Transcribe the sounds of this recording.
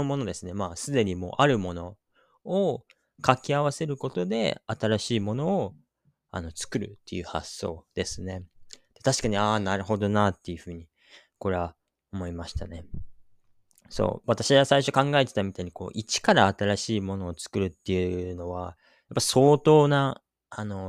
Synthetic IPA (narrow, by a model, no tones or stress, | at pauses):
omo̞no̞d̪e̞sɨne̞maːsɨd̪e̞ɲ̟imo̞̰ːʔaɾɯ̟mo̞no̞ː | kakʲiaβ̞ase̞ɾɯ̟ko̞t̪o̞d̪e̞̰at̪aɾaɕiːmo̞no̞ː | a̰no̞t͡sɨ̥kɯ̟ɾɯ̟̰t̪ːe̞̰jɯ̟ha̰sːo̞ːd̪̥e̞sɨne̞d̪̥e̞t̪aɕi̥kaɲ̟iaːnaɾɯ̟ho̞d̪o̞nat̪ːe̞jɯ̟ɸɯ̟ːɲ̟i | ko̞ɾe̞βa | omo̞imaɕi̥t̪ane̞ | so̰ːβat̪aɕiɡasaiɕo̞kãŋɡae̞t̪e̞t̪amʲit̪aiɲ̟iko̞̰ːʔit͡ɕi̥kaɾaːt̪aɾaɕiːmo̞no̞ːt͡sɨ̥kɯ̟ɾɯ̟t̪ːe̞jɯ̟no̞βa | japːaso̞ːt̪o̞ːna | ano̞